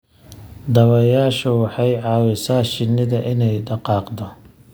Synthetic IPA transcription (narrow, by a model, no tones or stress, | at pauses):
d̪ɐwɐjaːʃɐwɑħɑjʕɑːwɪsaːʃɪnːɪðɐʔɪnɛjɖɑqɑːqd̪ɔ